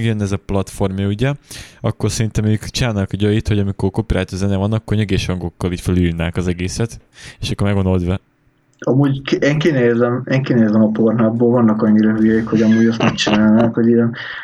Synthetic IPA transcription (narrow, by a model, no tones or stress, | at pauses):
ɡjønːɛzɒplɒt̪fo̞rmjɒuɟɛɒkːo̞rsɛɾint̪ɛmøːkt͡ʃinaːlnkɒɟøjit̪hoɟɒmikorkopiɾʔaːt̪ozɛnɛvɒnːɒkːorɲøɡeːʃhɒŋɡo̞kːɒliːcfølujiːrnaːkɒzɛɡeːsɛt̪ | eːʃɒkːormɛɡo̞nd̪old̪vɛ | ɒmuːɟkeːŋkinezɛmeːŋkinezɛmɒpornabboːlvɒnːɒkɒɲːiɾɒjøjikho̞ɟɒmuːɟɛst̪mɛk̚t͡ʃinaːlnankhoɟijɛn